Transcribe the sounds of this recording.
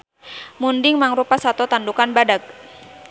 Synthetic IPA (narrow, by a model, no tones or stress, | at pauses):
mundɪŋmaŋɾupasat̪ɔt̪andukanbadak̚